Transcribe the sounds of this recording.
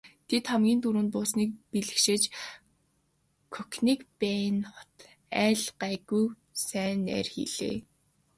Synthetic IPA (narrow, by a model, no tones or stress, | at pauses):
t̪ʰet̪χamɡʲiːnt̪uɾŭːn̚pʊːsniːk̚piɮɘ̆kʃet͡ɕ | kʰɵkniːkpæːnχɔt̪ | æːɮɢæːɣuj | sæːnæ̰ːrxḭɮ̥ḛː